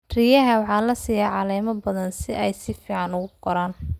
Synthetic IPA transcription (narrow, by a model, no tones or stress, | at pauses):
rijɐɦɐwɑħɑːlɐsijaːʕɑlɛːmɐbɐðɐnsɪʔɛjsɪfiːʕɑnʊɣʊqɔɾaːn